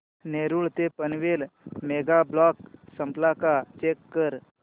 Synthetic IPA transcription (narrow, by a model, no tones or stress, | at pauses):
neːɾuɭt̪epənʋeːlmeːɡablɔksə̃mplakat͡ʃeːkːəɾ